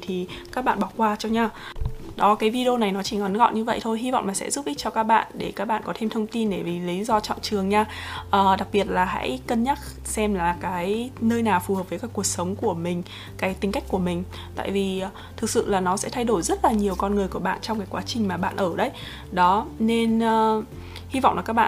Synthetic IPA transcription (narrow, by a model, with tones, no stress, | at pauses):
t̪ʰi˨˩kaː˦˥k̚ɓa̰ː˧˨nɓa˧˩wkwaː˧t͡ɕɔ˧ɲaː˧ɗɔ˨˦kaː˨˦jvi˧ɗi˧o˧na˨˩jnɔ˨˦t͡ɕi˧˩ŋɔ˨˦nɣɔ̰˧˨ɲɨ˧və̰˧˨jt̪ʰo˧jɦi˧va̰˧˨wŋ͡mmaː˨˩sɛ̰˧˥zu˦˥p̚ʔi˦˥t̚t͡ɕɔ˧kaː˦˥k̚ɓa̰ː˧˨nɗe˧˩kaː˦˥k̚ɓa̰ː˧˨nkɔ˨˦t̪ʰe˧mt̪ʰə˧wŋ͡mt̪i˧nɗe˧˩vi˨˩li˨˦zɔ˧t͡ɕɔ̰˧˨nt͡ɕɨ˨˩əŋɲaː˧ʔəː˨˩ɗa˨˩k̚ɓi˨˩ət̚laː˨˩ɦa̰˧˥jkə˧nɲa˦˥t̚ | sɛ˧mlaː˨˩kaː˨˦jnəː˧jnaː˨˩wfu˨˩hə˨˩p̚vəː˨˦jkaː˧˦jku˨˩ək̚sə˨˦wŋ͡mku˧˩əmï˨˩ŋ̟ | kaː˨˦jt̪ï˨˧ŋ̟ka˦˥jk̟̚ku˧˩əmï˨˩ŋ̟ | t̪a̰ː˧˨jvi˨˩˨ | t̪ʰɨ˨˩k̚sɨ̰˧˨laː˨˩nɔ˨˦sɛ̰˧˥t̪ʰa˧jɗo˧˩jzə˦˥t̚laː˨˩ɲi˨˩əwkɔ˧nŋɨ˨˩əjku˧˩əɓa̰ː˧˨nt͡ɕɔ˧wŋ͡mkaː˨˦jkwaː˨˦t͡ɕï˨˩ŋ̟maː˨˩ɓa̰ː˧˨nʔəː˧˩ɗə˨˦j | ɗɔ˨˦ne˧nː˧ | hi˧va̰˧˨wŋ͡mlaː˨˩kːaː˦˥k̚ɓa̰ː˧˨